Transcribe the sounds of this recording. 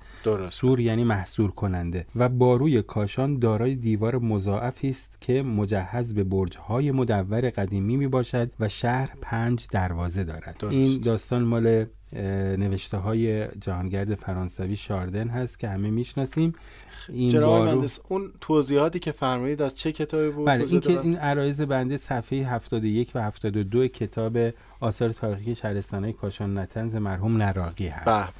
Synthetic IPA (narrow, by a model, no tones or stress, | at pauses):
d̪̥oɾssuːɾjæːniːmæhsuːɾkʰo̞nænd̪e̞væbɒːɾuːjekʰɒːʃɒːnd̪ɒːɾɒːjed̪iːvɒːɾemo̞zɒːʔæfiːst̪cʰe̞mo̞d͡ʒæhːæzbe̞boɾd͡ʒhɒːje̞mo̞d̪ævːæɾe̞ɣæd̪iːmiːmiːbɒːʃæd̪væʃæhɾpʰænd͡ʒd̪æɾvɒːze̞d̪ɒ̰ːɾæ̰d̪̥oɾiːnd̪ɒːst̪ɒːnmɒːle | ne̞ve̞ʃt̪eɦɒːje̞d͡ʒæhɒːnɟæɾd̪e̞fæɾɒːnsæviʃɒːɾd̪e̞nɦæst̪cʰʲe̞hæmemiːʃnɒːsiːm | iːnnɒɾeunt̪ʰoziːhɒːt̪iːcʰefæɾmuːd̪iːd̪æz̥t͡ʃʰecʰet̪ʰɒːbibubæleiːkʰeinæɾɒːjeze̞bænd̪esæfhejeɦæft̪ɒːd̪oje̞cʰvæhæft̪ɒːd̪od̪oecʰe̞t̪ʰɒːbe̞ | ɒːsɒːɾet̪ʰɒːɾixieʃæhɾe̞st̪ɒːnɒːjekʰɒːʃɒːnnæt̪ʰænzemæɾɦumnæɾɒːɣiːhæ̰s